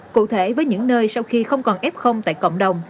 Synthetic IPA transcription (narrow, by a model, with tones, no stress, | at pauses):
kṵ˧˨t̪ʰe˧˩vəː˨˦jɲɨ̰˧˥ŋnəː˧jsa˧wxi˧xə˧wŋ͡mkɔ˨˩nʔɛ˦˥p̚xə˧wŋ͡mt̪a̰ː˧˨jkə̰˧˨wŋ͡mɗə˨˩wŋ͡m